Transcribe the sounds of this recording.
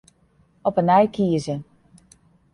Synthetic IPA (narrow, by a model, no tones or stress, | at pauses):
ɔpənɛjkʰiəzə